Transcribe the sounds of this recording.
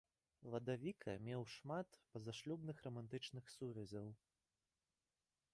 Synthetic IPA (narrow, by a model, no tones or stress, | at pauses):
vɐd̪avʲikʰɐmʲɛwʂmat̪pɐzaʂlʲubnɨxrɐmant̪ɨt͡ʂnɨxsuvʲɛzʲɐw